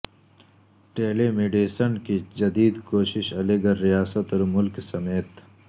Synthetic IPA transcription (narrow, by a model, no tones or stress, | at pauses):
ʈeːlemeːɖeːsənkid͡ʒɐd̪iːd̪koːʃɪʃɐleːɡɐɾːijaːsət̪ɔːɾmʊlksɐmeːt̪